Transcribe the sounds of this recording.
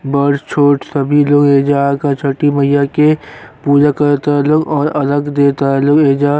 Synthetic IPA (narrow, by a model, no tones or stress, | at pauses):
bəɾt͡ʃʰoːʈsəbʱiloːɡeːd͡ʒaːkat͡ʃʰəʈːimɐɦɪjakepuːd͡ʒakɐɾt̪aːlʊkɔːɾɐləɡd̪eːt̪aːlʊkeːd͡ʒaː